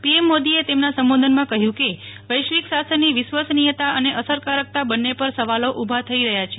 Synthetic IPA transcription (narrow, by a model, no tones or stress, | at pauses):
piemːod̪iet̪emnasəmbod̪ʱənmãkəɦjũkeʋəjʃʋiksasənːiʋɪʃʋasnijət̪aəneʔəsəɾkaɾək̚t̪abənːepəɾsəʋaloʔubʱat̪ʰəiɾəɦjat͡ʃʰe